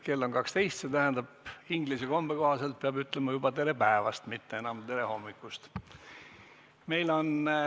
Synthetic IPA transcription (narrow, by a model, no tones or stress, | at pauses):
ke̞lːo̞ŋkɑkst̪e̞jst̪se̞t̪æɦæɛnd̪̥ɑb̥iŋɡliseko̞mb̥e̞ko̞hɑse̞lt̪̚peɑbyt̪ːˑlemɑjubɑt̪e̞ɾe̞pæevɑst̪mit̪ːe̞enɑmt̪e̞ɾe̞ho̞mːikːˑust̪ | me̞jlo̞n